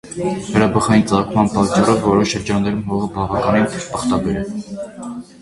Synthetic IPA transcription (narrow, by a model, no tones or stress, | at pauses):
vɛɾɑbəχɑjint͡sʼɑkʰmɑnpɑt̪̚t͡ʃɑrɔvːɔɾɔʃːəɾd͡ʒɑnːɛɾumɦɔʁəbɑvɑkɑninʰpəχt̪ɑbɛɾɛ